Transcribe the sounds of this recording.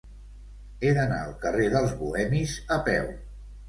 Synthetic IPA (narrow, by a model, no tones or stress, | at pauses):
eðəna̰əlˠkəreðəlˠzβuɛmizəpɛw